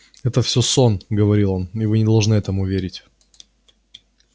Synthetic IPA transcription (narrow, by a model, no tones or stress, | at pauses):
ɛt̪əfsʲoso̞nɡəvɐɾʲilˠo̞nɪvɨnʲɪd̪ɐlˠʐnɨɛt̪əmʊvʲeɾʲɪtʲ